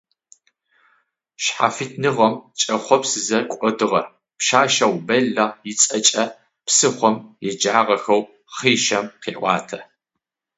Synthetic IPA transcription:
ʃħa̰fɨtʰnɨʁɐmt͡ʃʼɐχʷɔpsɨzɐkʷʼɔdɨʁɐr | pʃaːʃɐwbɐɮɐjɪt͡sʼɐt͡ʃʼɐ | psɨχʷɔmjɛd͡ʒaːʁɐxɐw | χiːʃɐmqḭːʔʷʼɑ̰ːtʰɐ

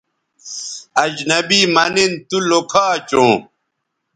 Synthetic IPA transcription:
ɐd͡ʑnɐbiːmɐnint̪ulokʰaːt͡ɕõː

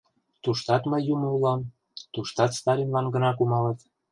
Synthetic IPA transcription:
t̪uʃt̪ɑt̪məjːumoulɑm | t̪uʃt̪ɑt̪st̪ɑɾinlɑnɡənɑkumɑlə̆t̪

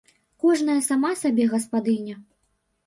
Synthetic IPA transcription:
kɔʐnɐjɐsamasabʲɛɣɐspad̪ɨnʲɐ

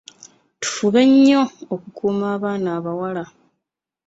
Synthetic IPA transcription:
tu̥fuβe̞ɲːo̞okukʰuːmaːβaːnaːβawala

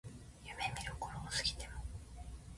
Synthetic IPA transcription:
jɯme̞mʲiɾɯkoɾosɨ̥kʲi̥t̪emo

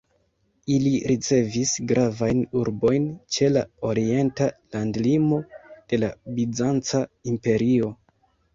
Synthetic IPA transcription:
iliɾit͡se̞visɡɾavajnuɾbo̞jnt͡ʃe̞lao̞ɾie̞ntalandlimo̞d̥e̞labid͡zant͡saimpe̞ɾio̞

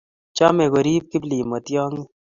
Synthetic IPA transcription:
t͡ʃaːmeɣəɾiːb̚kibliːmɐt̪ijaːŋi

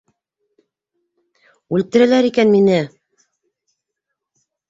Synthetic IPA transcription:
ʉlt̪ɘ̆ɾɘ̆læɾikænminɘ

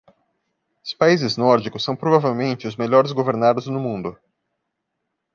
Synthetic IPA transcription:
ʊspaizɪznɔɾd͡ʒikʊsɐ̃w̃pɾovavewmẽnt͡ʃɪʊzmeʎɔɾɪzɡoveɾnad̪ʊznʊmũnd̪ʊ

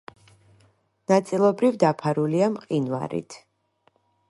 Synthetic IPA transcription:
nat̪sʼilˠɔbɾivd̪apʰaɾuliamqʼinva̰ɾḭt̪ʰ

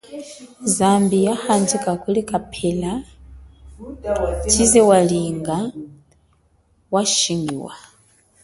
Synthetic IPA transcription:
zambijaxand͡ʒikʼakʼulikʼapʰɛla | t͡ʃʰizɛwaliŋɡa | waʃiŋɡḭwa̰

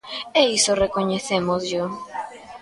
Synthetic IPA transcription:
eisorekoɲeθemozʎo

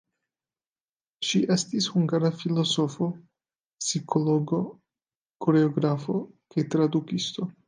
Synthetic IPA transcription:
ʃiʔe̞st̪ishuŋɡaɾafilo̞so̞fo̞ | psikʰo̞loɡo̞ | koɾe̞oɡɾafo̞kajt̪ɾad̪ukist̪o̞

